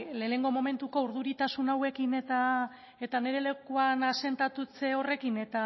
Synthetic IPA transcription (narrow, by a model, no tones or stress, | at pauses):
le̞ːne̞ŋɡo̞mo̞me̞nt̪uko̞uɾðuɾit̪asunawe̞kine̞t̪a | e̞t̪ane̞ɾe̞le̞kuanase̞nt̪at̪ut͡se̞o̞re̞kine̞t̪a